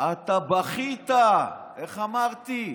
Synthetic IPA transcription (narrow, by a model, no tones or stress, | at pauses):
at̪abaχit̪a | eχamaʁt̪i